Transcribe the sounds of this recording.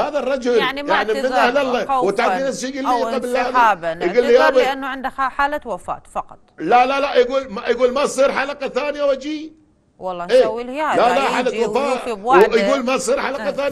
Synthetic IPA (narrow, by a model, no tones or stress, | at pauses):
haːðarˤːɑd͡ʒʊlnjaʕnimɪnahlalˤːawat̪akinasʃijɡilːiqablːahlabɡulːjabɪnːʕɪnd̪ħaːlawafa̰ːt̪fɑqɑt̪ˤlalalajɡuːlmajɡuːlmasˤiːɾħalaqɑθaːnɪjawad͡ʒiː | ʔeːlalaħaːlat̪wafaːt̪wjɡuːlmasˤiːɾħalaqɑθaːn